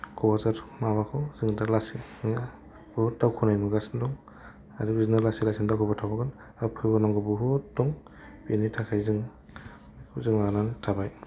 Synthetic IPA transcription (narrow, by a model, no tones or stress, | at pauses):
kʰɔwazaɾmawakʰɔwzɯŋdalasi | b̥uhut̚dawkʰɔnajnuɡasndɔŋ | aɾibiznaɾlasilasindawkʰɔbɔtʰabɔkan | apʰɯjbanɔŋɡɯbɔɦut̚dɔŋ | binitʰakʰajzɯŋ | kʰuzɯŋanantʰabaj